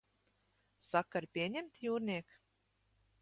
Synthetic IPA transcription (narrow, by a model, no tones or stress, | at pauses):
sakːaɾpʲiɛɲʲɛmt̪ʲjuːɾnʲiɛk